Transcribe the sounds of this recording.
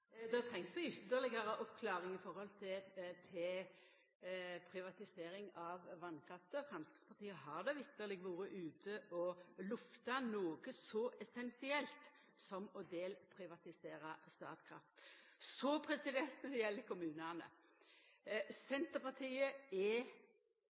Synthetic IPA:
d̪ɑt̪ʰɾɛŋsd̪ɛʏt̪ːəʁlɪɡəɾəʔɔpkʰlɑːɾɪŋɪfɔɾhɔlt̪ʰɪt̪ʰɪ | pʰɾɪʋɑt̪ɪseːɾɪŋɑʋʋɑnːkʰɾɑft̪əɔfɾɑmskɾɪt̪spʰɑʁt̪iːəɦɑʁd̪ɛʋɪt̪ːəʁlɪɡʋuːɾəʔʉːt̪ʰəʔɔlʉft̪ɑnoːɡəsɔʔɛsɛnsɪɛlt̪ | sɔmɔd̪eːlpʰɾɪʋɑt̪ɪseːɾɑst̪ɑ̰ːt̪kʰɾɑ̰ft̪sɔpʰɾɛsɪd̪ɛnt̪nɔd̪ɛjɛlːəkʰʊmʉːnənə̰ | sɛnt̪əpɑt̪ʰiːəɛ

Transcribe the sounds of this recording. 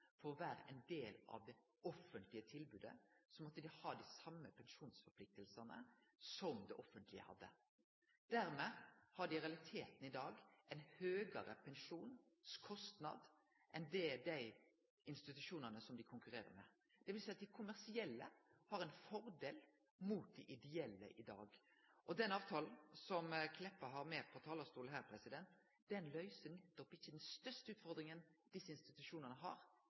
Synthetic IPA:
fɔɾɔʋæːɾə̰ʔɛɪnd̪eːlɑ̰ʋd̪ɛ | ɔfənt̪lɪət̪ʰɪlbʉːd̪ə̰sɔmɔt̪ːəd̪ɪhɑːd̪æsɑmːəpʰɛnʃuːnsfɔɾpʰlɪk̚t̪əlsənə̰sɔmd̪ɛʔɔfːənt̪lɪ̰ə̰hɑ̰d̪ːə̰ | d̪̥æɾmɛhɑɖɪɾɛɑlɪt̪ʰeːt̪n̩ɪd̪ɑːɡʔɛɪnhøːɡəɾəpʰɛnʂuːn | skʰɔst̪nɑ̰d̪ | ʔɛnd̪ɛd̪æɪ | ɪnst̪ɪt̪ʉʂuːnənəsɔmd̪ɪkʰʊŋkʉɾeːɾə̰mɛ̰ | d̪̥ɛʋɪlsæɪɑt̪̚d̪æɪkʰʊmæɾsɪɛlːə̰hɑɾɛɪnfɔɾd̪eːl | muːt̪̚d̪ɛʔɪd̪ɛɛlːə̰ʔɪd̪ɑ̰ːɡʔɔd̪ɛnɑːʋt̪ʰɑːln̩sɔmkʰlɛpːəɦɑɾmeːpʰɔt̪ʰɑːləst̪uːlɦæːɾpʰɾɛsɪd̪ɛnt̪ | d̪̥ɛnlœʏsənɛt̪ːɔpːɪçːəd̪ɛnst̪œɾʂtəʉːt̪fɔɾd̪ɾɪŋənd̪ɪsːəɪnst̪ɪt̪ʉʂuːnənəɦɑ̰ːɾ

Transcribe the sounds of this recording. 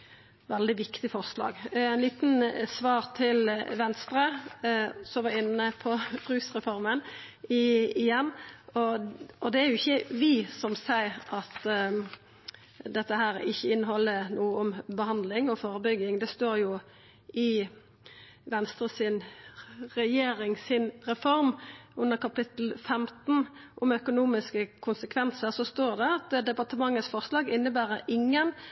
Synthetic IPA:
ʋɛld̪ɪʋɪkt̪ɪfɔʁʂlɑ̰ːɡæɪnliːt̪nsʋɑːɾt̪ʰɪlʋɛnst̪ɾə | sɔʋɑɪnːəpʰɔɾʉːsʁɛfɔɾmənɪɪjɛnːɔʔɔd̪ɛæɾjʊɪçːəʋɪsɔmsæɪɾʔɑt̪ | d̪ɛt̪ːəɦæːɾɪçːəɪnːəɦɔlːənuːəɔmbəhɑnd̪lɪŋɔfoːɾəbʏɡːɪŋd̪ɛst̪oːɾjʊ | ɪ | ʋɛnst̪ɾəsɪn | ʁɛjeːɾɪŋsɪnʁɛfɔɾmʉnːəʁkɑpɪt̪l̩fɛmt̪n̩ʔʊmœkʊnuːmɪskəkʰʊnsəkʰʋɛnsəɾsɔst̪oːɾd̪ɛɑt̪d̪ɛpɑt̪əmɑŋːət̪sfɔʁslɑːɡɪnːəbæːɾəʔɪŋːən

